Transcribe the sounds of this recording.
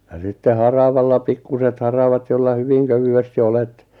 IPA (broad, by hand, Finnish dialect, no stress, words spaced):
jɑ sitːe hɑrɑʋɑlːɑ pikːuset hɑrɑʋɑt jolːɑ hyʋiŋ køʋyesti olet